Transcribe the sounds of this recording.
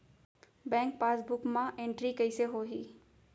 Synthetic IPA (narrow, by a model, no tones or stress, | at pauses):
bɛ̃ːŋk̚paːsbʊkmãʔẽɳʈɾikɐɪseɦoːɦiː